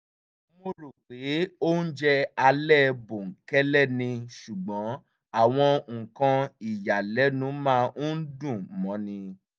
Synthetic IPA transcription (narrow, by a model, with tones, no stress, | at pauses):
mo˧ɾo˨k͡pe˨˦o˦n̩˦d͡ʒɛ˦a˧lɛ˦˨bo˨ŋ̩˨kɛ˦lɛ˦˨nĩ˧ʃu˨ɡ͡bɔ̃˨˦ | a˦˨w̃ɔ̃˧ŋ̩˨kã˧i˨ja˨lɛ˨˦nũ˨˦mãː˦u˦n̩˦dũ˦˨mɔ̃˨˦nĩ˧